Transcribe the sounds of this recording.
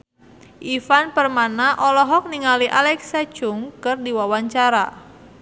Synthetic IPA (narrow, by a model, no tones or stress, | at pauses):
ʔifanpərmanaʔɔlɔɦɔk̚niŋaliʔalɛksat͡ʃʊŋkɨrdiwawaɲt͡ʃaɾa